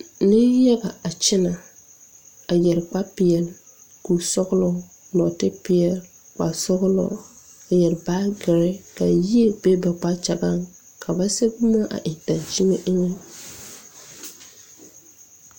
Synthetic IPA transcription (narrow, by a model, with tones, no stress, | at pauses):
nɪ˦ja˦ɡa˨a˨t͡ʃɪ˦na˨ | a˨jɛ˨ɾk͡pa˦pɪ˨ɛ˨l | ku˨sɔ˦ɣlɔ˦ | nɔ˨tɪ˦pɪ˨ɛ˨l | k͡pa̰˨sʊ˦ɣlɔ̰˦a˨jɛ˨ɾɪ˨ba˦ɡɪ˨ɾɪ˦ka̰˨ji˦e˨be˦bɛ˨k͡pa˦t͡ʃa˨ɡa˦˨ŋ | kʰa˨ba˦se˦bu˦ma˦ʔa̰˨ʔɪ˨d̥ã˨nt͡ʃi˦ŋe˦ʔe˦ŋe˦